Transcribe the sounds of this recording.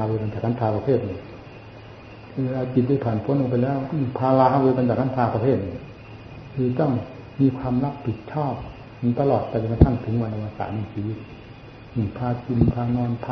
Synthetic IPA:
wɤː˧ka˧nt͡ɕaː˨˩kːʰpʰaː˧pɾa˧t̪ʰeː˥˩t̪̚ni˧˩˨ | kʰɯː˧ʔaː˧t͡ɕi˨˩t̪̚da˥˩pʰaː˨˩npʰu˧˦˥ə˨nʔo˧pa˧jlɛː˦˥˩wpʰaː˧laː˧weː˧ka˧nt͡ɕaː˨˩kʰːa˧˥ntʰaː˧pɾa˧t̪ʰeː˥˩t̪̚ni˧˩˨ | kʰɯː˧t̪ɔ˥˩ŋ | miː˧kʰwaː˧mɾa˦˥˩ppʰi˨˩t̪̚t͡ɕʰɔː˥˩p̚ː | t̪a˧lɔː˨˩t̪̚ːɛː˧˩a˧˩ka˧t̪ʰa˧˥˩ŋt̪ʰɯ˩˦ŋwa˧nʔa˧wa˧sa̰ː˨˩na˧˩siː˨˧˦ | ni˧˩ŋpʰaː˧t͡ɕu˧mpʰaː˧nɔː˧np̪ʰː

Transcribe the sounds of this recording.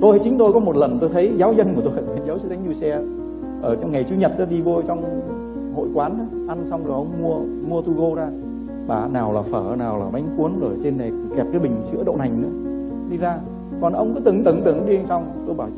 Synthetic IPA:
t̪o˧ja˨˦jt͡ɕï˨˦ŋ̟t̪o˧jkɔ˨˦mo˨˩t̚lə˨˩nt̪o˧jt̪ʰə˨˦jzaː˨˦wzə˧nku˧˩ət̪o˧a˨˧˩i˨˧˦nzaː˨˦wsɨ˧˦t̪a˨˦ŋzu˧sɛ˧ | ʔəː˧˩t͡ɕɔ˧wŋ͡mŋa˨˩jt͡ɕu˧ɲə˨˩t̚ʔə˨˦ɗi˧vo˧t͡ɕɔ˧wŋ͡m | ho̰˧˨jkwaː˨˦nʔa˨˦ʔa˧nsa˧wŋ͡mzo˨˩jʔə˧wŋ͡mmu˧ə | mu˧ət̪u˧ɣo˧zaː˧ | ɓaː˨˩naː˨˩wlaː˨˩fəː˧˩naː˨˩wlaː˧˩ma˨˦jŋ̟xu˨˦ənzo˧˩jt͡ɕe˧nːa˨˩˨ŋ͡mkɛ˨˩p̚kaː˨˦ɓï˨˩ŋ̟t͡ɕɨ̰˧˥əɗə̰˧˨na˨˩jŋ̟nɨ̰˧˥ə | ɗi˧zaː˧ | kɔ˨˩nʔə˧wŋ͡mkɔ˨˦t̪ɨ˨˩˦ŋt̪ɨ˧˩ŋt̪ɨ˧˩ŋɗi˧sa˧wŋ͡m | t̪o˧jɓaː˧˩w

